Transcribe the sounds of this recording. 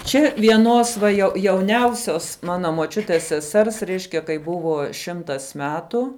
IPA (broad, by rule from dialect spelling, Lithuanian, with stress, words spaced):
t͡ʃʲɛ ʋʲiɛˈnoːs ʋɐ jɛʊ jɛʊˈnʲɛʊsʲoːs ˈmɑːnɐ moːˈt͡ʃʲʊtʲeːs sʲɛˈsʲɛrs ˈrʲɛɪʃʲkʲɛ kɐɪ ˈbʊʋoː ˈʃʲɪmtɐs ˈmʲæːtʊ